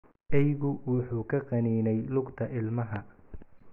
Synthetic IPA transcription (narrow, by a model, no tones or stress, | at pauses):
ʔɛjɣʊwʊħuːkʰɐqɑniːnɛjlʊɡt̪ʰɐʔɪlmɐɦɐ